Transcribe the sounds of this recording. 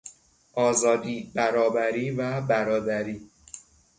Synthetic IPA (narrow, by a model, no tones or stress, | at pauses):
ʔɒːzɒːd̪iːbæɾɒːbæɾiːvæbæɾɒːd̪æɾiː